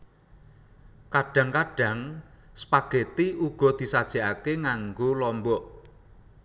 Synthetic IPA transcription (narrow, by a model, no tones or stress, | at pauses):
kaɖ̥a̤ŋkaɖ̥ä̤ŋsə̥paɡ̥e̤t̪iuɡ̥ɔ̤d̪̥i̤sad̥ʒ̥a̤ʔakeŋaŋɡolɔmbɔʔ